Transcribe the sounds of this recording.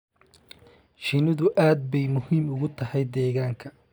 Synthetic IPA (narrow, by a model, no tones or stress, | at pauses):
ʃɪnɪðʊʔaːd̪̚bɛjmʊhiːmʊɣʊt̪ʰɐhɛjd̪ɛːɣaːŋkʰɐ